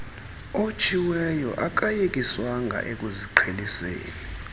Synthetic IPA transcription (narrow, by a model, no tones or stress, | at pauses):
ot͡ʃʰʼiwɛjɔ̰ʔak̬ʼajek̬ʼiswaŋɡʱa̰ʔek̬ʼuziǃʰelisḛːni